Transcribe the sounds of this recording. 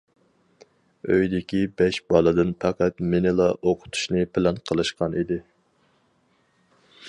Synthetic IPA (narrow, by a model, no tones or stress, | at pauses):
øjd̪ɪkʲibɛʃbɑlˠɨd̪ɨnpʰɛqæt̪mɪnɪlˠɑʔoqʰʊ̥t̪ʰu̥ʃnɨpʰɪlɛnqʰəlˠɨʃqɑnid̪ɪ